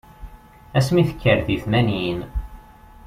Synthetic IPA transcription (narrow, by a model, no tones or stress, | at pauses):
æsmiθə̥kʰːəɾðiθmænin